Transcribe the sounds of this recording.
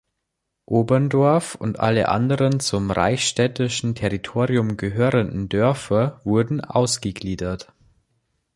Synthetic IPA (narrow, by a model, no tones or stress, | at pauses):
ʔoːbɐndɔɐfʊ̰ntʔa̰lə̰ʔa̰ndəʁənt͡sʊmʁa̰ɪçʃtɛtɪʃn̩tʰɛʁitʰoːʁiʊmɡəɦøːʁəndn̩dœɐfɐvʊɐdn̩ʔa̰ʊsɡ̥əɡliːdɐt